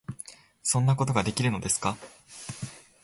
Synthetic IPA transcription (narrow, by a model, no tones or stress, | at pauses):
sõ̞nːako̞t̪̬o̞ɡad̪e̞kʲiɾɯ̟no̞d̪e̞sɨ̥ka